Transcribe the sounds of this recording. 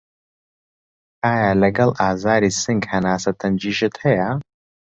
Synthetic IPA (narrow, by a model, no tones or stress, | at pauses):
aːjaːlɐɡɐlˠaːzaːɾiːsɨŋɡhɐnaːsɐt̪ʰɐnd͡ʒiːʒɨt̪hɐjɐ